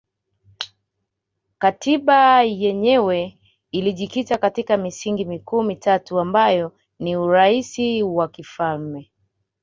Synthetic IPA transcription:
katiɓajɛɲɛwɛ | iliʄikitakatikamisiŋɡimikuːmitatuambajɔ | niuɾaisiwakifalmɛ

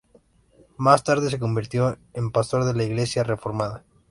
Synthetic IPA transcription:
mast̪aɾðes̬e̞ko̞mbiɾt̪joempast̪o̞ɾðelaiɣlesjarefo̞ɾmaða

